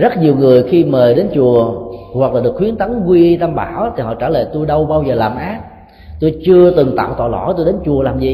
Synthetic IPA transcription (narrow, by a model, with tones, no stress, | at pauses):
zə˦˥t̚ɲi˨˩əwŋɨ˨˩əjxi˧məː˨˩ɗe˨˦nt͡ɕu˨˩əwa˨˩k̚laː˨˩ɗɨ˨˩ək̚xwi˨˦ənt̪a˨˦ŋkwi˧t̪a˧mɓaː˧˩wt̪ʰi˨˩hɔ̰˧˨t͡ɕaː˧˩lə̰ː˧˨˩t̪u˧jɗə˧wɓaː˧wzəː˨˩laː˨˩mʔaː˦˥t̚ | t̪o˧jt͡ɕɨ˧ət̪ɨ˨˩ŋt̪a̰ː˧˨wt̪ɔ̰ː˧˨˩lɔ˧˩t̪o˧jɗe˨˦nt͡ɕu˨˩əlaː˨˩mzi˨˩